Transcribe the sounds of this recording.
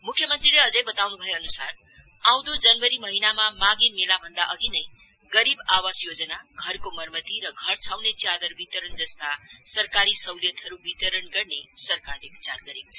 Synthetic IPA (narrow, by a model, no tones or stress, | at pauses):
mukʰːjʌmʌnt̪rileʌd͡zʌjbʌt̪awnubʱʌjoʌnusar | aw̃d̪od͡zʌnwʌɾimʌɦinamamaɡimelabʱʌnd̪aʔʌɡinʌj | ɡʌɾibawasjod͡zʌnaɡʱʌrkomʌrmʌt̪iɾʌɡʱʌrt͡sʰawnet͡sjad̪ʌrbit̪ʌɾʌnd͡zʌst̪asʌrkaɾisʌwlijʌt̪ɦʌɾubit̪ʌɾʌnɡʌrnesʌrkarlebit͡sarɡʌɾeko̥t͡sʰʌ